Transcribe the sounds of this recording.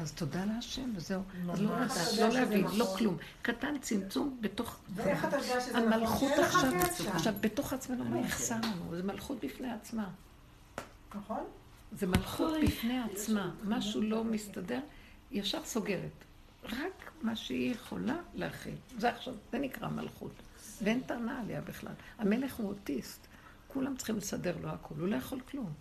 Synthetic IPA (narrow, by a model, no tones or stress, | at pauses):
azto̞daleaʃe̞mvezeuazlololeavinlo̞klum | katant͡simt͡sumbeto̞χat͡saamalχuaχʃavaχʃavbe̞to̞χat͡smanumeiχsalanṵzemalχut̚bifneat͡sma | nn | zemalχut̪bifneat͡smamaʃulo̞mistade̞ʁ | jaʃaʁso̞ɡe̞ʁet | ʁakmaʃeijeχo̞̰laleaχḭlzeaχʃavzenikʁa̰ma̰lχṵt | veentanaːlejabiχla̰lhame̞le̞χuotist | kulamt͡sχimlesade̞ʁlo̞akʰo̞lulo̞jeχo̞lklum